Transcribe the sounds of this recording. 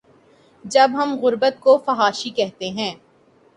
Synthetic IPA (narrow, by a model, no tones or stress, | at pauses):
d͡ʒɐbɦɐmɣʊɾbət̪kofɐɦaːʃikɛɦt̪eɦɛ̃ː